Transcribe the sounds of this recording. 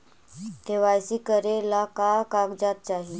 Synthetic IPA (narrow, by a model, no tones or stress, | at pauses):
t̪eʋajsiːkəɾelakakaɡd͡zat̪̚t͡ɕaɦi